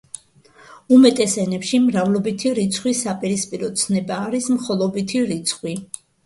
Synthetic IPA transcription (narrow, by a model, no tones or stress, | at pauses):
umɛt̪ʼɛsɛnɛpʃimɾavlˠɔbit̪ʰiɾit̪sʰχwisːapʼiɾispʼiɾɔt̪sʰnɛbaːɾismχɔlˠɔbit̪ʰiɾit̪sʰχwi